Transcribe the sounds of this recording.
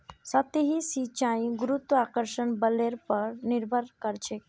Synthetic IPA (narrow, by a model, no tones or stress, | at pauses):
sət̪eɦisit͡ʃaĩɡuɾut̪wəakəɾʃənbəleɾpəɾniɾbʱəɾkəɾt͡ʃʰe